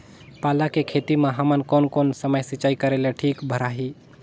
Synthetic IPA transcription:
paːlakekʰeːt̪imãɦɐmənkonkoːnsəməjsɪt͡ʃaːikəɾeleʈʰiːkbʱəɾaːɦi

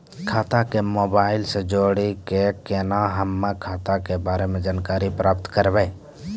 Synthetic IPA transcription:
kʰaːt̪akemoːbaːɪlsed͡ʒoːɽekekenaɦəmːãkʰaːt̪akebaːɾemẽd͡ʒaːnkaːɾipɾʔaːp̚t̪kəɾbeː

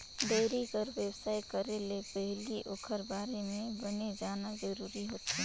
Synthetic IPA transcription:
d̪eːɾikəɾʋjəwsaːikəɾelepɛɦliʔoːkʰəɾbaːɾemẽbɐned͡ʒaːnazəɾuːɾiɦoːt̪a

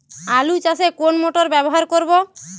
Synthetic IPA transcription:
alut͡ʃasekonmoʈoɾbɛboɦaɾkoɾbo

